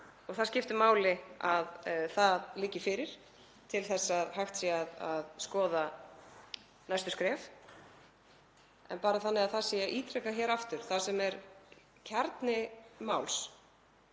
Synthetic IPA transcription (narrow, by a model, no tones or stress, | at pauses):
ɔɣθaðscɪft̪ʏmaːwlɪaðθaðlɪːcːɪfɪɾɪɾ̥ | t̪ʰɪlθɛsːaðhaxt̪siaðaðskɔːða | najst̪ʏ̥skɾɛːf | ɛ̰npaːɾaθanːɪaðθasiaʔiːt̪ɾɛkaçɛːɾaft̪ʏɾ̥θasɛmɛɾ | cʰaɾt̪nɪmaːwls